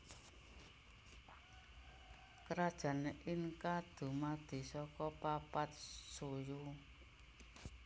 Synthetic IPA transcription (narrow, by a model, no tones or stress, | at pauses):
kəɾad̥ʒ̥a̤nəʔɪnkad̪̥ṳmad̪̥i̤sɔkɔpapat̪̚soju